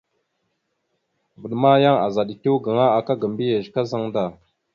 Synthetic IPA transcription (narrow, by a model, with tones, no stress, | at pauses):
və˨ɗma˦ja˦ŋa̰˨za˨ɗi˨tu˦ɡa˨ŋa˦a˨ka˦ɡə˨mbi˦je˨ʒka˦za˦ŋda˨